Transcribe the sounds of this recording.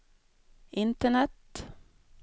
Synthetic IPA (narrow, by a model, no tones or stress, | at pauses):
ʔɪnt̪əɳɛt̪